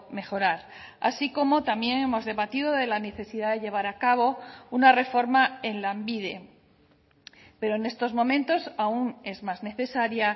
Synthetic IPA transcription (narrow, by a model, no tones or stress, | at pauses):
me̞xo̞ɾaɾa̰siko̞mo̞t̪amje̞ŋemo̞zðe̞βat̪iðo̞ðe̞lane̞θe̞siðaðe̞ʝe̞β̞aɾakaβ̞o̞unare̞fo̞ɾmae̞nlambiðe̞ | pe̞ɾo̞ene̞st̪o̞zmõ̞mẽ̞nt̪o̞saune̞zmazne̞θe̞saɾja